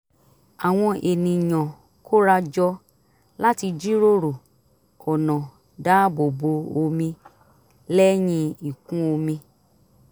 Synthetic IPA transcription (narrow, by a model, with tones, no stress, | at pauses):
a˨w̃ɔ̃˧ʔe˨nĩ˨ɲɔ̃˨ | ko˦ɾa˧d͡ʒɔ˧ | la˦ti˧d͡ʒi˦ɾo˦ɾo˨ | ɔ˨nɔ̃˨ | da˦bo˨bo˨˧o˧mĩ˧ | lɛ˦j̃ĩ˧i˨kũ˦o˧mĩ˧